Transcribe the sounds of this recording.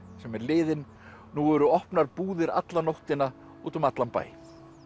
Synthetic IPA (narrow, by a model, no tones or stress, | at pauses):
sɛmɛɾlɪːðɪn | nuɛɾʏɔhpnaɾpuːðɪɾa̰t̪lanowht̪ɪna | uːt̪ɔmat̪lampa̰ːj